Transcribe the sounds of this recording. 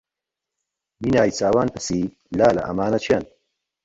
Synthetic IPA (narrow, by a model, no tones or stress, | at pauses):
minaːjt͡saːwaːnpʰɨsiː | laːlɐ̰ʔɐ̰maːnɐt͡ʃʰjan